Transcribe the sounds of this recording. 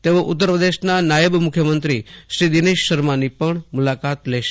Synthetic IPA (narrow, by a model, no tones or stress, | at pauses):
t̪eʋoʔut̪ːəɾpɾəd̪eʃnanajəbmukʰjəmənt̪ɾiʃɾid̪ineʃːəɾmanipəɳmulakat̪leʃe